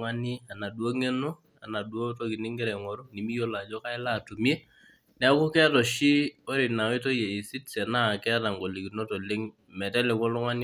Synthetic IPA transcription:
ŋa˦ni˦a˨na˨dwo˦ŋe˦no˦ | a̰˨na˨dwo˦to˦ki˨nɪ˦ŋɡɛ˦ɾɛ˨ŋɔ˨ɾu˦ni˨mi˦jo˦la˨d͡ʒɔ˦ka˦ɪ˦la˦˨tu˨mje˦ | nɛ˦a˦kʊ˦kɛ˦a˦tɔ˨ʃi˦o˦ɾɪ˨na˨˦i˦to˦je˨i˨si˦tsɛ˨na˦˨kɛ˦a˦ta˨ŋɡo˨li˨ki˨no˦to˨le˦ŋ | mɛ˨tɛ˦lɛ˨ko˦lɔ˦ŋa˦nɪ˦

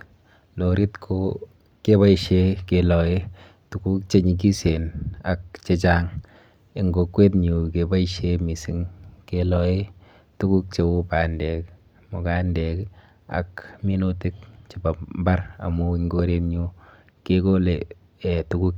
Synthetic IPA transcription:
no˨ɾi˦tkʰo˦ | ke˦βa˦iʃe˦ke˨lɔ˨e˦ | tu˨ku˦k̚t͡ʃe˦ɲi˨k̬i˦se˨na˨k̚t͡ʃe˦t͡ʃa˦ŋ | ɪ˨ŋɡo˨kwe˦tɲu˨keba˦iʃemi˨si˨ŋke˨lɔ˨e˦ | tu˦ku˦k̚t͡ʃe˨u˦pa˨ndɛ˨k | mʊ˨ka˦ndɛ˨k | a̰˨kmi˦no˦tɪ˦k̚t͡ʃe˨ba˨mba˦ɾa̰˨mu˦iŋɡo˦ɾe˦tɲu˦ | keko˦le˨ | ɛ˨tuku˦k̚

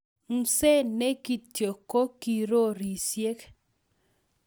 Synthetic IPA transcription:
ŋ̩˨se˦ne˦ki˨tjo˨ko˦ki˨ɾo˦ɾi˨sje˦k

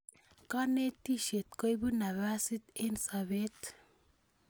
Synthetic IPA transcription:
ka˦ne˦t̪i˦ʃe˨t̪̚ko˦jbu˦na˨βa˦si˦t̪e˦nsaβe˦t̪

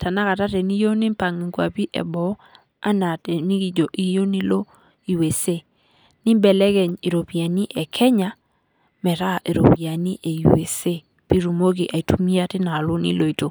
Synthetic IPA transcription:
tʰa˨na˦ka˨ta˦tɛ˨ni˦jo˦ni˦m˦pa˨ŋi˨ŋɡwa̰˨pi˦ʔɛ̰˨bɔ˨˦ | a˦na˨tɛ˨ni˦ɡi˨d͡ʒo˨ʔi˦jo˦ni˦lo˦ | i˨we˨se˦ | ni˦bɛ˨lɛ˦ɡɛ˨ɲi˨ɾo˨pi˨a˨ni˦ʔɛ˨kʰɛ˦ɲa˨ | mɛ˨ɾa˦˨ʔe˨ɾo̰˨pi˨a˨ni˦ʔe˨wḛ˨se˦ | pi˦ɾu˨mo˦ki˨ʔa˨i˨tu˦mi˦a˦tɪ˦na˨lu˦nḭ˦lo˨i˨to˨

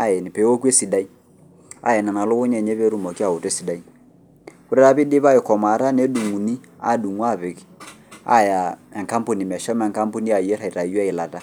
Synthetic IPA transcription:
a˨jɛ˨nɪ˨pe˨˦wo˦ke˦si˨da˦i˦ | a̰˨ɛ˨na˨na˨lʊ˦kʊ˦ɲɛ˨ɲe˦βe˦ɾu˦mo˨ki˦a˦˨ʊ˨te˦si˨da˦i˦ | kʊ˦ɾɛ˦ɾa˦bɪ˦dɪ˦βa˦ɪ˨kɔ˨ma˨ɾa˦ne˦du˨ŋu˨ni˦ | a̰˨du˨ŋwa˦˨pɪ˨k | a̰˦ja˨ɛ˨ŋka˦mpu˨ni˨mɛ˨ʃɔ˦mɛ˨ŋka˦mpu˦ni˦a˨jɛ˦ɾa˨i˨ɾa˨jɛ˦ɪ˨la˨ta˦

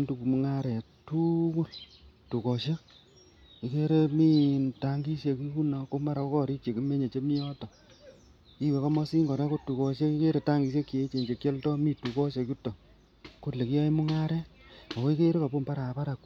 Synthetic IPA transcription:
ntu˨ku˨mu˦ŋa˦ɾɛ˨tu˦ku˦ltu˨kɔ˨ʃe˦ | i˨ke˦ɾe˦mi˦nta˨˦ŋɡi˦ʃje˧ki˦ku˦na˨ko˦ma˦ɾa˨o˦kɔː˦ɾi˦t͡ʃe˨ki˦me˦ɲe˨t͡ʃe˦mi˦ɔ˦tɔ˨ | i˦we˨kɔ˦mɔ˦si˦ŋɡɔ˨ɾa˦ko˦tu˨kɔ˨ʃe˦ki˦ke˦ɾe˨ta˦ŋɡi˨ʃ̬e˦kːi˨e˦t͡ʃe˨ɲd͡ʒe˨kːe˦ltɔ˦mi˦tu˨kɔ˦ʃe˨ku˦to˨ | ko˦le˨ki˦jɔ˦i˦mu˦ŋa˦ɾɛ˦a˨ko˦i˦ke˦ɾe˦ka˨pu˦˨mpa˦ɾa˨pa˦ɾa˨k

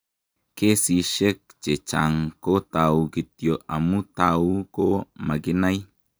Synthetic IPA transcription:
ke˦si˨ʃe˦k̚t͡ʃe˨t͡ʃa˨ŋko˦t̪a˨u˨ki˨t̪jo˨ʔa˨mu˦t̪a˨u˦ko˦ma˨ɡi˦na˦j

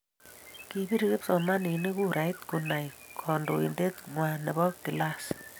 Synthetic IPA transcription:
ki˧bi˦ɾi˦ke˦p̚sɔ˨ma˦ni˨ne˦ku˦ɾa˨i˦t̪ku˨na˨jkʰɔ˨ndo̰˨ḭ˨nde˦t̪̚ŋwa˨ne˨bɔ˦k̚i˨la˦s

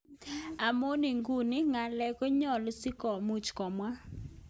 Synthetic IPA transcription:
a˨mo˦nɪ˨ŋɡu˦˨nɪ˦ŋa˨lɛ˨ko˦ɲɔ˦˨lʊ˦sɪ˦kɔ˨mu˦˨t͡ʃkɔ˨mwa˦

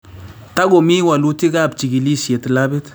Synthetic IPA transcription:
ta˦ɡo˨mi˦wa˨lu˦ti˦ka˦˨p̚t͡ʃi˨ɡi˨li˦sje˨tla˦be˦t

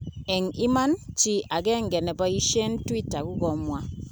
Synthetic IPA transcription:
ɛ˨ŋi˦ma˦nt͡ʃi˦ʔa˨ɣɛ˦ŋɡɛ˨nɛ˨ba˦i˦ʃe˦ntwi˦ta˨ɣu˦ɣɔ˨mwa˨

